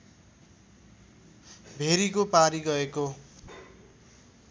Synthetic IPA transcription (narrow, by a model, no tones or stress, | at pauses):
bʱeɾikopaɾiɡʌeko